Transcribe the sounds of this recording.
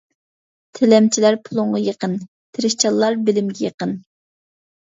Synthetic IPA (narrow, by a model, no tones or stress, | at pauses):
t̪ʰelɛmt͡ʃʰilæɾpʰulˠʊɴʁɑjəqən | t̪ʰɪɾɪʃt͡ʃʰɑlˠːɑɾbɪlɪmɡʲɛjəqən